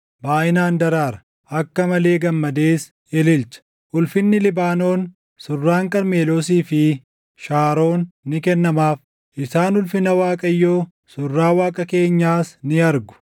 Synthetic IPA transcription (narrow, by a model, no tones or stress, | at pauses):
baːʔɪnaːnd̪ɐɾaːɾɐ̥ | ʔɐkːɐmɐle̞ːɡɐmːɐd̪e̞ːs | ɛlɪlt͡ʃɐ̥ | ʔʊlfɪnːɪlɪbaːno̞ːn | sʊrːaːŋkʼɐɾme̞ːloːs̬iːfɪ | ʃaːɾo̞ːnːɪkɛnːɐmaːf | ʔɪsaːnʊlfɪnɐwaːkʼɐjːo̞ː | sʊrːaːwaːkʼɐke̞ːɲːaːsnɪɐɾɡʊ̥